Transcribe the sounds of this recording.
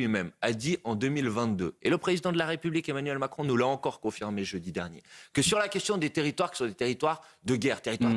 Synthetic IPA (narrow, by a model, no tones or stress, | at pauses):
ɥimɛmad̪iɑ̃d̪əmilvɛ̃t̪̚d̪øeləpχezid̪ɑ̃d̪əlaʁepyblikemanɥɛlmakχɔ̃nulaɑ̃kɔʁkɔ̃fiʁmeʒəd̪id̪ɛ̰ʁnjḛkəsyʁlakʲɛst̪jɔ̃d̪et̪eʁit̪waʁki̥sɔ̃d̪et̪eʁit̪waʁ | d̪əɡʲɛʁt̪eʁit̪waʁ